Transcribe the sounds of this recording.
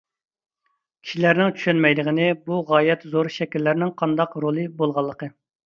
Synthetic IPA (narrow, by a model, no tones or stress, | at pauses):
kʲʰi̥ʃilæɾnɪŋt͡ʃʰy̥ʃɛnmɛjd̪əʁənɨbuʁɑːjɛt̪zoɾʃɛkʲilːæɾnɪŋqʰɑnd̪ɑqɾolˠɨbolˠʁɑlˠːəqə